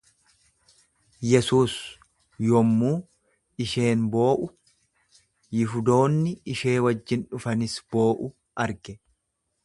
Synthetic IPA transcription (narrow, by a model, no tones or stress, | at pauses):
jɛsuːs | jɔmːuː | ɪʃe̞ːnbo̞ːʔʊ | jɪfʊd̪o̞ːnːɪɪʃe̞ːwɐd͡ʒːɪnᶑʊfɐnɪsb̥o̞ːʔʊ | ʔɐɾɡɛ